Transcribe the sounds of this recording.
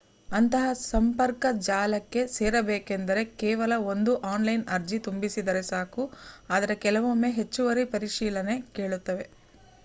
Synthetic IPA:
ɐnt̪ɐɦɐsɐmpɐɾkɐd͡ʒaːlɐkːe̞seːɾɐbeːke̞nd̪ɐɾe̞kɛːʋɐlɐo̞nd̪uʔaːnlɐjnɐɾd͡ʒit̪umbisid̪ɐɾe̞saːkuaːd̪ɐɾe̞kɛlɐʋomːeɦet͡ʃːuʋɐɾipɐɾiʃiːlɐne̞ke̞ːɭut̪ːɐʋe̞

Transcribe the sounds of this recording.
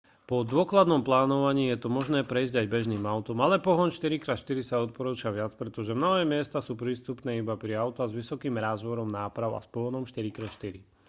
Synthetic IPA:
pɔd̪ʊɔklad̪nɔmplaːnɔʋaɲiːjɛt̪ɔmɔʒnɛːpɾɛizɟajbɛʒniːmaʊt̪ɔmalɛpɔɦɔnʃt̪iɾikɾaːt̪ʃt̪iɾisaɔt̪̚pɔɾuːt͡ʃaʋɪat͡spɾɛt̪ɔʒɛmnɔɦɛːmɪɛst̪asuːpɾiːst̪upnɛːibapɾiaʊt̪azʋisɔkiːmɾaːzʋɔɾɔmnaːpɾaʊa̰spɔɦɔnɔmʃt̪iɾikɾɛʃt̪iɾi

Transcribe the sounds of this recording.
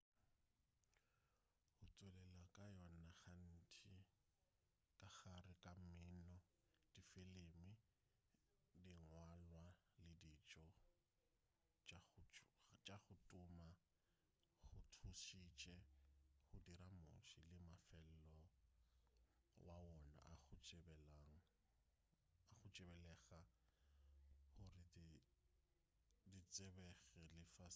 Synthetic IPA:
hʊt͡sʼwɛlɛlakʼajɔnaχan̩tʰi | kʼaχarɪkʼamɪːnɔ | d̥ifelemɪ | diŋwalwalɪdit͡ʃʼɔ | t͡ʃʼaχʊtʼʊma | χʊtʰuʃit͡ʃʼɛχʊdiɾamʊ̰ʃilɪmafɛl̩lɔ | wawɔna̰ʔaχʊt͡ʃʼbɛlaŋ̩ | aχʊt͡ʃʼɪbɛlɛɣa | hʊrɪ | dit͡sʼebɛɣɛlɪfa

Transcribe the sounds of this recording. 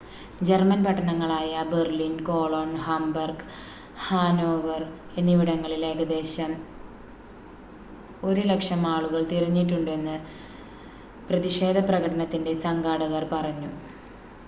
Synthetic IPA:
d͡ʑe̞rmɐnpɐʈːɐɳɐŋːɐɭaːjɐberlinko̞ːɭoːɳhɐmbɐrɡ | haːno̞ːʋɐre̞nːiʋiɽɐŋːɐɭile̞ːkɐd̪e̞ːɕɐm | o̞ɾulekʂɐmaːɭuɣɐɭt̪irɐɲːiʈːuɳɖɨe̞nːɨ | prɐðiʂe̞ːd̪ʱɐprɐɣɐɽɐɳɐt̪ːinde̞sɐŋɡaːɽɐɣɐrpɐrɐɲːu

